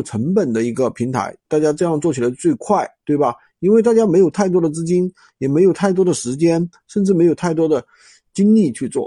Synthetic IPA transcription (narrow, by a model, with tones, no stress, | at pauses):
ʈ͡ʂʰə˧˥ŋpə˨˩nd̪ə˦i˧˥ɡə˧pʰi˧˥ŋt̪ʰa̰˧˥ɪt̪a˥˩t͡ɕja˥ʈ͡ʂɤ˥˧jɑ˥˧ŋt͡swɔ˥˩t͡ɕʰi˨˩la˧˥ɪt͡swe˥˧ɪkʰwa˥˩ɪt̪we˥˩ɪbɐ˩ | i˥nwe˥˧a˥˩t͡ɕja˥me˧˥jo˨˩ʊt̪ʰa˥˩ɪt̪wɔ˥d̪ə˨t͡sɹ̩˥t͡ɕi˥n | jɛ˨˩me˧˥ɪjo˨˩ʊt̪ʰa˥˩ɪt̪wɔ˥d̪ə˨ʂɻ̩˧˥t͡ɕjɛ˥n | ʂə˥˧nʈ͡ʂɻ̩˥˩m˧˥ɪo˨˩ʊt̪ʰa˥˩ɪt̪wɔ˥d̪ə˨ | t͡ɕi˥ŋli˥˧t͡ɕʰy˥˧t͡swɔ̰˥˩